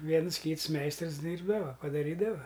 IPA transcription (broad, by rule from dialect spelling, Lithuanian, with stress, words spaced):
ˈʋʲiɛns ˈkʲiːts ˈmʲɛɪstrs ˈdʲiːrbdɐʋɐ pɐdɐˈrʲiːdɐʋɐ